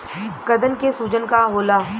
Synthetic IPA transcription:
kɐd̪ənkesuːd͡ʒənkaɦoːlaː

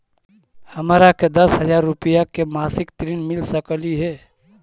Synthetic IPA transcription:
hɐmaːɾaked̪ɐsɦəd͡ʒaːɾːʊpijakemaːsɪkt̪ɾiːnmɪlsəkliɦɛː

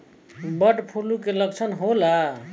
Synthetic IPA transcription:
bəʈpʰulukeləkt͡ʃʰənɦola

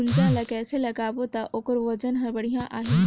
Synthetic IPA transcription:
ʊnd͡ʒãːlɐkɛːselɐɡaːbot̪aʔokəɾʋɐd͡ʒənɦɐɾbɐɽ̤ijãʔʔaːɦi

